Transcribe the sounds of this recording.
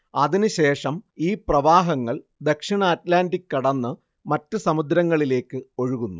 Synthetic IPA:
ɐðinɨɕe̞ːʂɐmiːprɐʋaːɦɐŋːɐɭ | d̪ɐkʂiɳɐːtlaːndikːɐɽɐnːɨ | mɐtːɨsɐmud̪ɾɐŋːɐɭile̞ːkːɨo̞ɻuɣunːu

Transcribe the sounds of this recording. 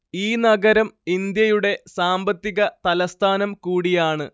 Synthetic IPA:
iːnɐɡɐɾɐmind̪jɐjuɽe̞saːmbɐt̪ːiɣɐt̪ɐlɐst̪ʰaːnɐmkuːɽijaːɳɨ

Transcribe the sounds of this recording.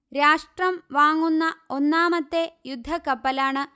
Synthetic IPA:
ɾaːʂʈrɐmʋaːŋːunːɐo̞nːaːmɐt̪ːe̞jud̪ʱːɐkɐpːɐlaːɳɨ

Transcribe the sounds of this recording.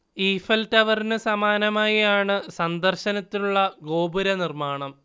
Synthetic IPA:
iːfɐltɐʋɐrinɨsɐmaːnɐmaːjijaːɳɨsɐnd̪ɐrɕɐnɐt̪ːinuɭːɐɡo̞ːbuɾɐnirmaːɳɐm

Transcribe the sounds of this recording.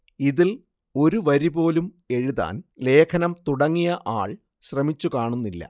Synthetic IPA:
iðil | o̞ɾuʋɐɾibo̞ːlum | e̞ɻuða̰ːnle̞ːkʰɐnɐmt̪uɽɐŋːijɐʔaːɭ | ɕrɐmit͡ɕːukaːɳunːilːɐ̰

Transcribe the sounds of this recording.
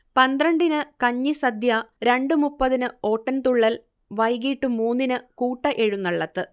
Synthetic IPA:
pɐnd̪ɾɐɳɖinɨkɐɲːisɐd̪ʱjɐɾe̞ɳɖɨmupːɐðinɨo̞ːʈːɐnt̪uɭːɐl | ʋɐjɡiːʈːumuːnːinɨkuːʈːɐʔe̞ɻunːɐɭːɐt̪ːɨ

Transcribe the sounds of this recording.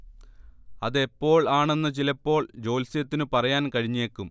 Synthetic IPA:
ɐðe̞pːo̞ːɭaːɳe̞nːɨt͡ɕilɐpːo̞ːɭd͡ʑo̞ːlsijɐt̪ːinɨpɐrɐjaːnkɐɻiɲːeːkːum

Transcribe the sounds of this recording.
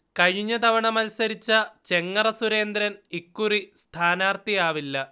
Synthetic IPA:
kɐɻiɲːɐt̪ɐʋɐɳɐmɐlsɐɾit͡ɕːɐt͡ɕe̞ŋːɐrɐsuɾe̞ːnd̪ɾɐnikːurist̪ʰaːnaːrt̪ijaːʋilːɐ

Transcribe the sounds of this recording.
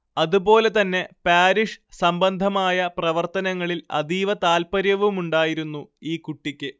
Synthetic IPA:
ɐðubo̞ːle̞t̪ɐnːe̞paːɾiʂsɐmbɐnd̪ʱɐmaːjɐprɐʋɐrt̪ɐnɐŋːɐɭilɐ̰d̪iːʋɐt̪aːlpɐɾjɐʋumuɳɖaːjiɾunːuiːkuʈːikʲːɨ

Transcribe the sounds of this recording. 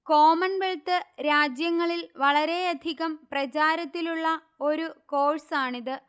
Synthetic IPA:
ko̞ːmɐnʋeɭt̪ɨɾaːd͡ʑjɐŋːɐɭilʋɐɭɐɾe̞ɐd̪ʱiɣɐmprɐt͡ɕaːɾɐt̪ːiluɭːɐ | o̞ɾuko̞ːɻsaːɳiðɨ

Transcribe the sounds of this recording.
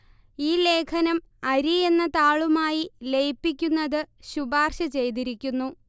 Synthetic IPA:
iːle̞ːkʰɐnɐm | ɐɾie̞nːɐt̪aːɭumaːjilejpːikʲːunːɐðɨɕubaːrɕɐt͡ɕe̞jt̪̬iɾikʲːunːu

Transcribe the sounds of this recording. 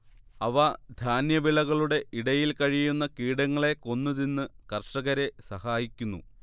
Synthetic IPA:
ɐʋɐd̪ʱaːnjɐʋiɭɐɣɐɭuɽe̞ʔiɽɐjilkɐɻijunːɐkiːɽɐŋːɐɭe̞ko̞nːuðinːɨkɐrʂɐɣɐɾe̞sɐhaːjikʲːunːṵ

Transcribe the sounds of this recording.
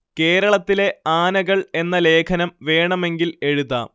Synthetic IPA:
ke̞ːɾɐɭɐt̪ːile̞aːnɐɣɐɭe̞nːɐle̞ːkʰɐnɐmʋe̞ːɳɐme̞ŋɡile̞ɻuða̰ː

